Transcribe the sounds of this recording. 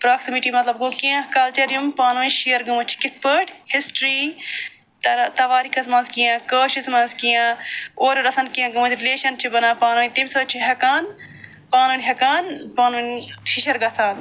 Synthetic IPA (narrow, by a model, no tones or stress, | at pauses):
pɾaːksimiʈimɐt̪lɐb̚ɡoːkijãkɐlt͡ʃɐɾijumpaːnunʃijɐɾɡɐmɐt͡ʃʰi̥kɪt̪̚pəːʈhisʈɾi | t̪t̪ɐʋaːɾikʰɐsmɐːnzkijãːkɐːʃismɐ̃nzkijãːoːɾɐɾɐsɐnkijãɡɐmɐt̪ʰʲɾileːʃɐnt͡ʃʰibɐnaːpaːnuːit̪imsɐːt͡ʃʰiɦɐkaːn | paːnunʲɦɐkaːnpaːnunʲʃiʃɐɾɡɐsaːn